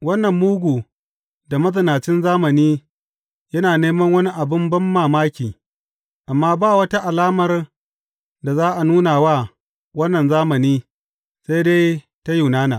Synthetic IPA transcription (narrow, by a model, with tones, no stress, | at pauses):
wɐ˦nːɐ˨mːuː˦ɡʷuː˨ | da˨mɐ˦zɪ˨naː˨t͡ʃɪ˦nzaː˦mɐ˨niː˦ | jɐ˦naː˨neː˦mɐ˦ŋwɐ˦ni˦ʔa˨bɪ˦mbɐ˦mːaː˨maː˦kʲiː˨ | ʔa˨mːaː˦baː˦˨wɐ˦ta˦ʔa˨laː˦mɐ˨r | da˨zaː˦ʔa˨nuː˦naː˨waː˦ | wɐ˦nːɐ˨nzaː˦mɐ˨niː˦ | se˦jde˦j | ta˦ju˨naː˦naː˨